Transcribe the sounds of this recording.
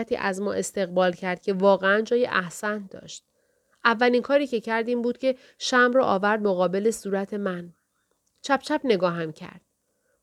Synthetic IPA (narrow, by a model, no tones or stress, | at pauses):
æt̪ʰḭːʔæzmɒːʔe̞st̪e̞ɣbɒːlcʰæɾd̪̥cʰe̞vɒːɣeænd͡ʒɒːjeʔæhsænd̪ɒ̰ːʃt̪̚ | ʔævːælinkʰɒːɾiːcʰe̞cʰæɾd̪iːmbuːd̪̥̚cʰe̞ | ʃæmɾɒːʔɒːvæɾd̪̚moɣɒːbe̞le̞suːɾæt̪ʰe̞mæn | t͡ʃʰæp̚t͡ʃʰæpne̞ɡɒːɦæmcʰæ̰ɾd̪̥̚